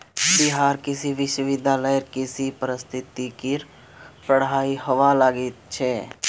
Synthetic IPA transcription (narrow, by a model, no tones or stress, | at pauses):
bɪɦaːɾkɪsiʋɪʃwəʋɪd̪ʱjaːləəɾkɪsipəɾɪst̪ʰɪt̪ikɪɾ | pəɽ̤aːihəʋalaːɡɪt̪̚t͡ʃʰɛː